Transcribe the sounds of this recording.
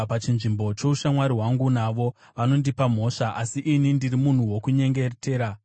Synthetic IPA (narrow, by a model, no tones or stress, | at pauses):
pat͡ʃinʐimbo̞t͡ʃo̞uʃamwaɾiɦwaŋɡunaʋo̞ | ʋano̞ndipam̤o̞ʂaʔasiʔinindirimun̤uwo̞kuɲe̞ŋɡe̞te̞ːɾa